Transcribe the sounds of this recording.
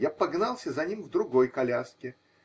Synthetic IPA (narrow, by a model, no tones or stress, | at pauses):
japɐɡnalˠsʲəzɐnʲimvd̪ɾʊɡojkɐlʲaskʲɪ